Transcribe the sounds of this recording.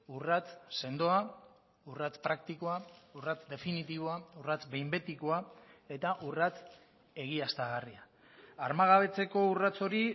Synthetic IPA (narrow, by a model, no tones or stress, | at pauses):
urat͡sse̞nd̪o̞a | urat͡spɾak̚t̪ikoaurat͡sd̪e̞finit̪iβ̞o̞aurat͡sbe̞jmbe̞t̪ikoae̞t̪aʔurat͡s | e̞ɣ̞iast̪aɣ̞aria | aɾmaɣ̞aβ̞e̞t͡se̞ko̞urat͡so̞ɾi